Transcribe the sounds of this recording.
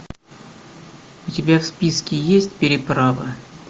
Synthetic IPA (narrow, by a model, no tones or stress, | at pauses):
ʊtʲɪbʲafspʲiskʲɪjesʲtʲpʲɪɾʲɪpɾavə̰